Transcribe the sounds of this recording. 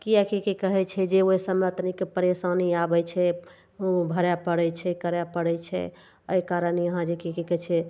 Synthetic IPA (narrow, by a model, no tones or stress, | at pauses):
kiakikekəɦɛt͡ʃʰɛd͡ʒeoisəmeət̪nikepəɾesaniabɛt͡ʃʰɛ | obʱəɾapəɽɛt͡ʃʰɛkəɾapəɽɛt͡ʃʰɛ̰ | əjkaɾəniəɦãd͡ʒekikekɛt͡ʃʰɛ